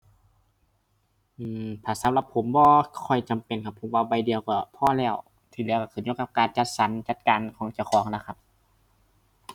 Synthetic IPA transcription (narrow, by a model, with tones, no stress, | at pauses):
ʔɯː˧˩mt̪ʰaː˧˩sa˨˦mla˧pʰːo˨˦mbɔː˧kʰɔ˧˩jt͡ɕa˨mpe˨nkʰa˧˩pʰːo˨˦mwaː˧ba˧˩jdi˨˧əwkɔ˧˩pʰɔː˧˩˨lɛː˧˩w | t̪ʰiː˧˩lɛː˧˨wka˧˩kʰɯː˧˩ɲu˧˥˦ka˧p̚kaː˨nt͡ɕa˧t̪̚sa˨˦nt͡ɕa˧˦t̪̚kaː˨nkʰɔː˨˦ŋt͡ɕa˧˩wxʰɔː˨˩˦ŋla˧˩kʰa˧p̚